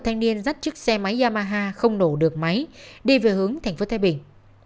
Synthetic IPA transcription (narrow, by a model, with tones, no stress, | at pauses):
t̪ʰa˧ŋ̟ni˧ənzaː˦˥t̚t͡ɕɨ˦˥k̚sɛ˧ma˨˦jzaː˧maː˧ɦaː˧xə˧wŋ͡mno˧˩ɗɨ˨˩ək̚ma˨˦jɗe˧˩ve˨˩hɨ˨˦əŋt̪ʰa˨˩ŋ̟fo˨˦t̪ʰa˨˦jɓï˧˩ŋ̟